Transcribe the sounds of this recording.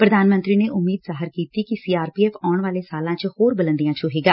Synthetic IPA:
pɾəd̪ʱaːnmənt̪ɾiːneːʔʊmːiːd̪zaːɦəɾkiːt̪ikisiːaːɾpiːɛːfaːɳʋaːleːsaːlãːt͡ʃhoːɾbələ̃nd̪ijãːt͡ʃoɦeːɡaː

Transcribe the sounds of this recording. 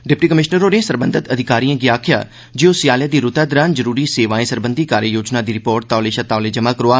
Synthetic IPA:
ɖɪp̚ʈiːkəmɪʃnəɾõːneːsəɾbənd̪ʱət̪əd̪ʱɪkaːɾiːãːɡiaːkʰɪja̰ː | d͡ʒioːsɪjaːljaːd̪iːɾʊt̪aːd̪əɾaːnzəɾuːɾiːseːʋaːẽːsəɾbənd̪ʱiːkaːɾjəjoːd͡ʒnaːd̪iːɾɪpoːɾʈ̚t̪aːleːʃət̪aːoleːd͡ʒəmaːkəɾoaː

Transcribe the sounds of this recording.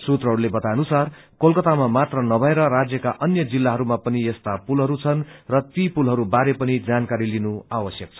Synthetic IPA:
sut̪rʌɦɽulebʌt̪anusar | kolkʌt̪amamat̪rʌnʌbʱʌeɾʌɾad͡zjʌkaʔʌnjʌd͡zilːaɦʌɾumapʌniest̪apulɦʌɾut͡sʰʌnrʌt̪ipulɦʌɾubaɾepʌnid͡zankaɾilinuawʌsjʌk̚t͡sʰʌ̥

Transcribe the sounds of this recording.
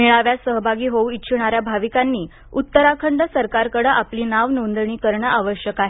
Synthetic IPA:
miɭaʋjasəɦbʱaɡiːɦouitːɕʰuɳaɾjabʱaʋikanːiː | ut̪ːəɾakʰəɳɖəsəɾkaɾkəɽəʔapliːnaʋnond̪ɳ̃iːkəɾɳəʔaʋəɕjəkaɦe

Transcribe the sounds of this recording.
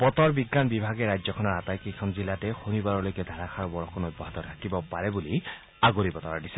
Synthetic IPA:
pɔt̪ɔɹbiɡːanbibʱaɡeɾajd͡ʒzɔkʰɔnɔɹat̪ajkikʰɔnzilatexonibaɾɔlojked̪ʱaɾakʰaɾɔbɔɹɔkʰɔnobːɔɦat̪ɔt̪ʰakibɔpaɾebuli | aɡoɾipɔt̪ɔɹadise̥

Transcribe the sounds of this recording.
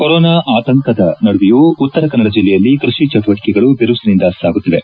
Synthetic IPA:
koɾɔːnaːʔaːt̪ɐŋkʰɐd̪ɐnɐɽuʋijuut̪ːɐɾɐkɐnːɐɽɐd͡ʒilːɛjɐlːikɾuʂit͡ʃɐʈuʋɐʈi̥kɛɡɐɭubiɾusɐnind̪ɐsaːɡut̪ːide

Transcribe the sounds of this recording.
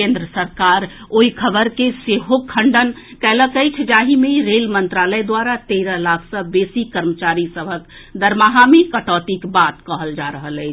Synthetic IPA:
kẽnd̪ɾəsəɾkaɾoikʰəbəɾkeseɦokʰːəɳɖən | kɛləkəjt͡ʃʰd͡ʒaɦimeiɾelmənt̪ɾaləjd̪waɾat̪eɾəlakʰsə̃besikəɾmət͡ʃaɾisəbʱək | d̪əɾmaɦamekəʈɔt̪ikbat̪kəɦəld͡ʒaɾəɦələjt͡ʃʰ

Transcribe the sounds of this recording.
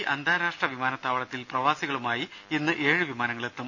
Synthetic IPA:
ʔɐnd̪ʱaːɾaːʂʈrɐʋimaːnɐt̪ːaːʋɐɭɐt̪ːilprɐʋaːsiɣɐɭumaːjiinːɨʔe̞ːɻɨʋimaːnɐŋːɐɭet̪ːum

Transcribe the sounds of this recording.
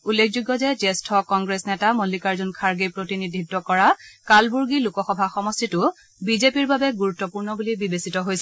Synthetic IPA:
ulːekʰzuɡːɔzɛd͡ʒestʰɔkɔŋɡɹesnɛtamolːikaɹzunkʰaɹɡejpɹotinidʱidɔkɔɹakalbuɹɡilukɔxɔbʱaxɔmɔstitʊ | bizepiɹbabɛɡuɹutːɔpuɹnɔbulibibesitɔɦojsɛ

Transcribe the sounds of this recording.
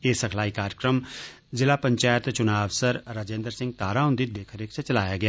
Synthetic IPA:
eːsəkʰlaːiːkaːɾəkɾəm | zɪlaːpəɲt͡ʃaːjət̪t͡ʃʊnaːʋsəɾɾaːd͡ʒẽːnd̪əɾsɪ̃ŋɡ̚t̪aːɾaːɦʊ̃nd̪iːd̪eːkʰəɾɪkʰt͡ʃʰet͡ʃəlaːjaːɡɪaː

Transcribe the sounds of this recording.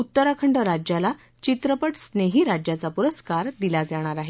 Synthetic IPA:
ut̪ːəɾakʰəɳɖəɾad͡ʑjala | t͡ɕit̪ɾəpəʈsneɦiːɾad͡ʑjat͡sapuɾəskaɾd̪ilad͡zaɽ̃aɾaɦe

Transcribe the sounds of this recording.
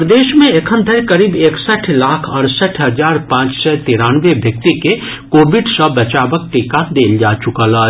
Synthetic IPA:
ɾəd̪eːʃmẽekʰə̃nd̪ʱəɾkəɾiːbeːksəʈʰlaːkʰɐɾsəʈʰɦɐzaːɾpãːt͡ʃsɛt̪iːɾaːnʋebʱjək̚t̪ike | koːbɪɖsəbɐt͡ʃaːʋək̚ʈikad̪eːld͡ʒaːt͡ʃʊkəlaː

